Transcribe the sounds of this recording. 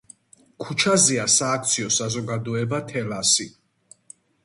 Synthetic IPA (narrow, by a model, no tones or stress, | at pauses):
kʰut͡ʃʰazɛasaːkʰt̪sʰiɔsazɔɡad̪ɔɛbat̪ʰɛlasi